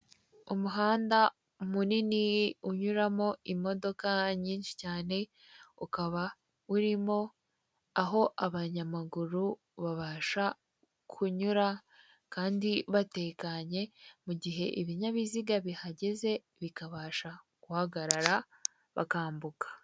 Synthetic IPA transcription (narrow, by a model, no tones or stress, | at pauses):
umuɦaːnda | umuniniuɲuɾamo̞imo̞do̞kaɲiːnʃi̥caːne̞ | ukaβa | uɾimo̞ | aɦo̞ʔaβaɲamaɡuɾu | βaβaːʃa | kʰuɲuɾa | kaːndiβate̞ːkaɲe̞muɟiɦe̞ʔiβiɲaβiziɡaβihaɟe̞ze̞ | βikaβaʃa | kuhaɡaɾaɾa | βa̰kaːmbukḁ